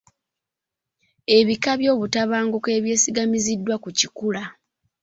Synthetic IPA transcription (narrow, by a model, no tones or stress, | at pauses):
e̞βikaβjo̞ːβutaβaːŋɡuke̞ːβje̞ːsiɡamizidːwakucikula